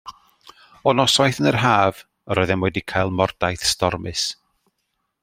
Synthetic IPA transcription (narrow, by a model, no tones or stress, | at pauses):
ɔnɔsɔjθənər̥ɦaːv̥ | əɾɔɨðɛnwɛdikʰajlˠmɔrd̥ajθstɔrmɨs